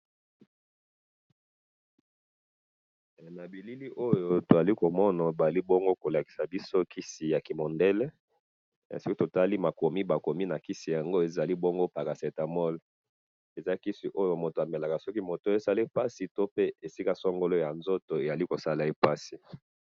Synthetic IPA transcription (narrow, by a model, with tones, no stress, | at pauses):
na˨bi˨li˦li˦ʔo˦jo˦to˨za˨li˦ko˨mɔ˦na˨ba˨a˨li˦bɔ˦ŋɡo˦ko˨la˨ki̥˨sa˨bi˦so˦kʰi˦si˨ja˨ki˨mɔ˨ndɛ˦l | so˦ki˦to˨ta˦li˦ma˨ko˨mi˦ba˨ko˨mi˦na˨ki˦si˨ja˨ŋɡo˦e˨za˨li˦bo˦ŋɡo˦pa˨ka˨sɛ˨ta˨mɔ˦l | e˨za˦ki˦si˨ʔo˦jo˨mo˨to˨a˨me˨la˨ka˨sɔ˦ki˦mo˨to˦e˦sa˦le˦pa˦si˨to˦pe˦e˨si˦ka˦sɔ˦ŋɡo˦lo˦ja˨nzo˦to˨e˨ja˨li˦ko˨sa˦la˨e˦pa˦si˨